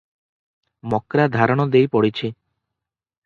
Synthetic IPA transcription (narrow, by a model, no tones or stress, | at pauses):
mɔkɾad̪ʱaɾɔɽ̃ɔd̪ejpɔɽit͡ʃʰi